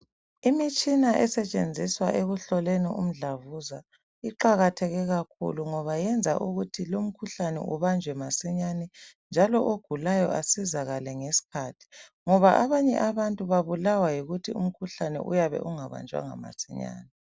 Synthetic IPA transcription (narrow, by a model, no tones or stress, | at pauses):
imit͡ʃʼinaʔɛsɛt͡ʃʼend͡zʱiswaʔeɣuɬɔleniṵm̩ɮavuza | iǃaɣatʰɛɣɛɣakʰṵluŋɔβajɛnd͡zʱa̰ʔuɣutʰilom̩kʰuɬanɛ̰ʔuβand͡ʒʱwɛmasiɲanɛnd͡ʒʱalɔʔoɡ̥ʱulajɔ̰ʔasizaɣalɛŋesi̥kʰaːtʰi̥ŋɔβaʔaβaɲɛ̰ʔaβantʼuβaβulawajiɣutʰiṵm̩kʰuɬanɛ̰ʔṵjaβɛ̰ʔuŋaβa̰nd͡ʒʱwa̰ŋa̰ma̰siɲa̰ːnɛ